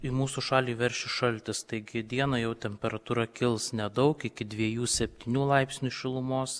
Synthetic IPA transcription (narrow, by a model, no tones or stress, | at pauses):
ɪmuːsuʃɑːlʲiːʋʲɛɾʲʃʲɪʃɐlʲt̪ʲɪst̪ɐɪɡʲɪd̪ʲiɛnɐjɛʊt̪ʲɛmʲpʲɛɾɐt̪uːɾɐkʲɪlˠsnʲɛd̪ɐʊkɪkʲɪd̪ʲʋʲiɛjuːsʲɛpʲt̪ʲiːnʲuːlˠɐɪpʲsʲnʲuʃʲɪlˠʊmoːs